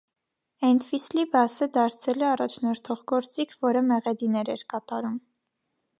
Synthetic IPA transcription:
ɛnt̪ʰvislibɑsəd̪ɑɾt͡sʰɛlɛɑrɑt͡ʃʰnɔɾt̪ʰɔʁɡɔɾt͡sikʰvɔɾəmɛʁɛd̪inɛɾɛɾkɑt̪ɑɾum

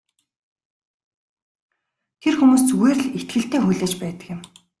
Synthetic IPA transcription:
t̪ʰerxumuːsweːr̆ɮet̪ɡɘ̆ɬt̪eːxuɮeːt͡ɕpæːt̪ə̥̆kjɪ̆m

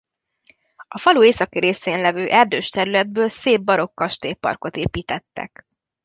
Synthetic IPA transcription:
ɒfɒlueːsɒkiɾeːseːnlɛvøːʔɛrd̪øːʃt̪ɛɾylɛd̪̚bøːlseːbːɒɾo̞kːɒʃt̪eːpɒ̰rko̞t̪eːpiːt̪ɛt̪ːɛ̰k

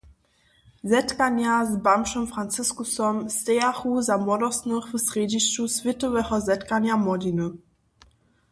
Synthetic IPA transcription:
zɛtkanjazbamʃɔmfʁ̥ant͡sɪskusɔmstɛaχuzamɔdɔsnəχvəsʁeːdiʃt͡ʃusvɪtəvɛχɔzɛtkanjamɔdinə

